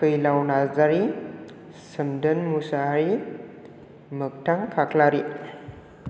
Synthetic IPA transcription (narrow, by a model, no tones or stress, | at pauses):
kɯjlawnasdaɾi | səmdənmusaɾi | mək̚tʰaŋkʰaklaɾi